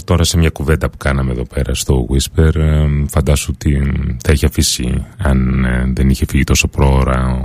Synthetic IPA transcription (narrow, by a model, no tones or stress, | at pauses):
t̪o̞ɾɐsemɲɐkuve̞nd̪ɐpu̥kɐnɐmeðo̞pe̞ɾɐ̰st̪o̞ɣwispeɾfɐnd̪ɐsot̪iθɐiçeɐfisḭɐnðe̞niçe̞fiʝit̪o̞so̞pɾo̞ːɾɐ